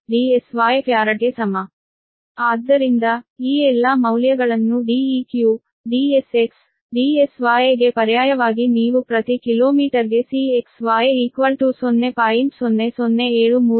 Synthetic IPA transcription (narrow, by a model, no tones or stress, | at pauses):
ɖiːesʋaːjepjaːɾɐʈesɐmɐ | aːd̪ːɐɾind̪ɐiːɛlːaːmɐwljɐɡɐɭɐnːuɖiːiːkjuː | ɖiːeseks | ɖiːesʋaːjeɡe̞pɐɾjaːjɐʋaːɡiniːʋupɾɐt̪ikiloːmiːʈɐɾɡe̞sieksʋaːjeiːkʋɐlʈuːsonːepaːjimpsonːe̞sonːe̞eːɭumuː